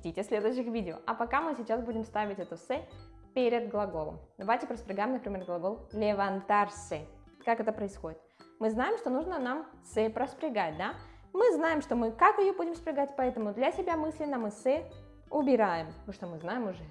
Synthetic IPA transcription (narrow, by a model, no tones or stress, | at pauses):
tʲitʲɪsʲlʲed̪ʊɕɪxvʲidʲɪo̰ɐpɐkamɨsʲɪt͡ɕasbudʲɪmst̪avʲɪtʲɛt̪ʊsɛ | pʲeɾʲɪd̪̚ɡlˠɐɡo̞lˠə̰md̪ɐvajtʲɪpɾəspʲɾʲɪɡajɪmnəpɾʲɪmʲe̞rɡlˠɐɡo̞lˠlʲɪvɐnt̪arsɛkakɛt̪əpɾəɪsxo̞dʲɪt̪mɨznajɪmʂt̪o̞nuʐnənam | sɛpɾəspɾʲɪɡat̚ʲd̪a | mɨznajɪmʂt̪o̞mɨkakɪjobudʲɪmspʲɾʲɪɡatʲpɐɛt̪əmʊd̪lʲɐsʲɪbʲamɨsʲlʲɪnəmɨsɛ | ʊbʲɪɾajɪmmɨʂt̪o̞mɨznajɪmʊʐɛ